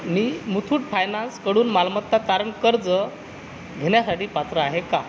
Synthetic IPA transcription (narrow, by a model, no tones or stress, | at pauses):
miːmut̪ʰuːʈfajnanskəɽuːnmalmət̪ːat̪aɾəɳkəɾd͡zə | ɡʱeɳjasaʈiːpat̪ɾəaɦeka